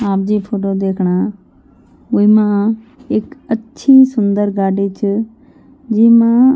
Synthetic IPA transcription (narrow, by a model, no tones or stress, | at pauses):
aːp̚d͡ʑiːpʰoːʈod̪eːkʰɽ̃aː | ʊimã | ɪkətːʃʰisʊnd̪əɾɡaːɖit͡ʃʰə | d͡ʑiːmã